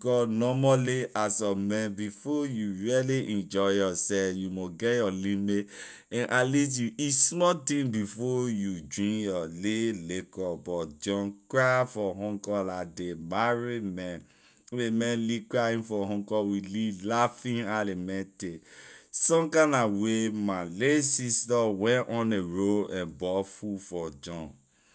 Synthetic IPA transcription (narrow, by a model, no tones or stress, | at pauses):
kɔnɔmaliʔasɔmɛ̃nbifɔjuɹiɛliʔɛ̃nd͡ʒɔɪjɔsɛjumoɡɛjɔlime | ɛ̃nʔalit̬juismɔtĩnbifɔjud͡ʒɹĩŋjɔlelekɔbɔd͡ʒɔ̃nkɾafɔɦɔ̃ŋkɔlademaɹimɛn | wemɛ̃nlikɹaĩnfɔɦɔ̃ŋkɔwililafĩnalemɛ̃ntesɔ̃mkanawemalesistawɛ̃nʔɔ̃neɹoɛ̃nbɔfufɔd͡ʒɔ̃n